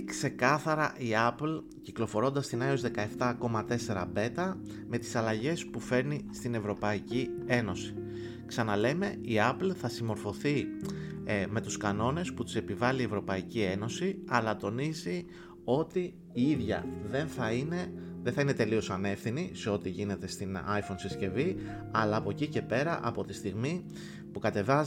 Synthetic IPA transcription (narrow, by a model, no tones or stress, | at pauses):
kse̞kɐθɐɾɐʔiɐpl | ciklo̞fo̞ɾo̞nd̪ɐst̪inɐio̞zðe̞kɐe̞ft̪ɐko̞mɐt̪e̞se̞ɾɐ̰be̞t̪ɐ | me̞t̪i̥sɐlɐʝe̞spufe̞ɾnist̪ine̞vɾo̞pɐicie̞no̞si̥ | ksɐnɐle̞me̞iɐplθɐsimo̞ɾfo̞θi | me̞t̪uskɐno̞ne̞sput̪u̥se̞pivɐlie̞vɾo̞pɐicie̞no̞siɐlɐt̪o̞nizi | o̞t̪iː | iðʝɐ̰ðe̞nθɐineðenθɐine̞t̪e̞lio̞sɐne̞fθiniseo̞t̪iʝine̞t̪e̞st̪inɐjfonsisce̞vi | ɐlɐːpo̞cice̞pe̞ɾɐʔɐ̰po̞t̪ist̪iɣmi | pukɐt̪e̞vɐ